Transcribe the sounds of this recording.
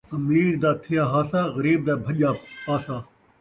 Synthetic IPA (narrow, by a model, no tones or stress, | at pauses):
ɐmiːɾd̪aːt̪ʰɪjaːɦaːsaːɣɐɾiːb̚d̪aːbʱɐʄaːpaːsaː